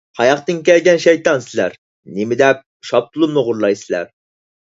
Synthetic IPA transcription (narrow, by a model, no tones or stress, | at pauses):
hʰɑjɑqt̪ɨnkʲɛlɡʲɛnʃɛjt̪ɑnsɪlæ̰ɾ | nemɪd̪ɛp̚ | ʃɑp̚t̪ʰulˠunɨʁʊɾlˠɑjsɪlæ̰ɾ